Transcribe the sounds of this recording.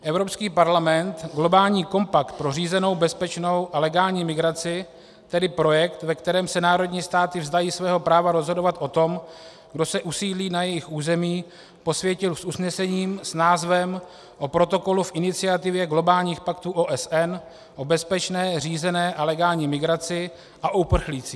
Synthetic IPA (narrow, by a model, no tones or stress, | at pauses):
ʔɛvɾo̞pskiːpaɾlamɛnt̪ɡlo̞baːlɲiːko̞mpak̚t̪̚pɾo̞riːzɛno̞wbɛspɛt͡ʃno̞wʔalɛɡaːlɲiːmɪɡɾat͡sɪ | t̪ɛdɪpɾo̞jɛkt̪vɛkt̪ɛɾɛːmsɛnaːɾo̞dɲiːst̪aːt̪ɪvzd̪ajiːsvɛːɦo̞pɾaːvaɾozɦo̞do̞vat̪ʔo̞t̪o̞m | ɡdo̞sɛʔusiːdliːnajɛjɪxʔuːzɛmiː | po̞svjɛcɪlsusnɛsɛɲiːmsnaːzvɛm | ʔo̞pɾo̞t̪o̞ko̞lufʔɪnɪt͡sɪat̪ɪvjɛɡlo̞baːlɲiːxpakt̪uːʔoːʔɛsʔɛn | ʔo̞bɛspɛt͡ʃnɛːriːzɛnɛːʔalɛɡaːlɲiːmɪɡɾat͡sɪ | ʔaʔoupr̩xliːt͡si̥